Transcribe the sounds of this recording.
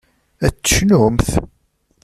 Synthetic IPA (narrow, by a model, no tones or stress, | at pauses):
æt͡sːə̥ʃnʊmθ